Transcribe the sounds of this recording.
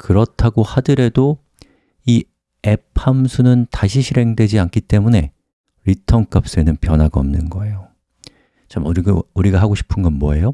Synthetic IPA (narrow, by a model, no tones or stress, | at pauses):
kɯɾʌtʰaɡohadɯɾe̞do | i | e̞pʰamsʰunɯntaɕʰiɕʰiɾe̞ŋdwe̞d͡ʑiank͈it͈e̞mune̞ | ɾitʰʌnk͈ap̚s͈ɯenɯnpjʌnɦaɡaʌ̰mnɯnɡʌe̞jo | t͡ɕamuɾiɡauɾiɡaɦaɡoɕʰi̥pʰɯnɡʌnmwʌe̞jo